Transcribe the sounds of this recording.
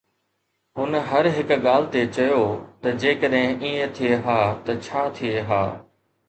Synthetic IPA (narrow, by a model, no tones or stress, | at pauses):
ɦʊnɦɐɾɦɪkɠaːl̤ɪt̪et͡ɕɐjoːt̪ɐd͡ʑeːkəɗɦɪ̃ʔiːẽt̪ʰieɦaːt̪ɐt͡ɕʰaːt̪ʰieɦaː